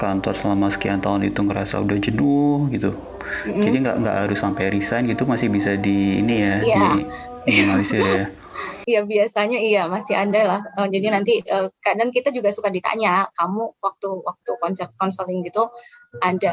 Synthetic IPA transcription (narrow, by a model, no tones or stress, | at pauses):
kant̪a̰səlamasə̥kiant̪aɦʊnit̪uŋəɾa̰sa̰udad͡ʒənuhɡit̪u | m̩d͡ʒadiŋɡa̰ʔŋɡa̰ʔɦaɾʊsampajɾisajnɡit̪umasɪhbisadḭːnijajad͡ʒadiaŋalisɪja | ijabiasaɲaiamasɪɦadalahəd͡ʒadinant̪iʔəːkadaŋkit̪ad͡ʒuɡasukadit̪a̰ɲakamuwak̚t̪uwak̚t̪ukɔnsɛp̚t̪̚kɔnsəlɪŋɡit̪uʔada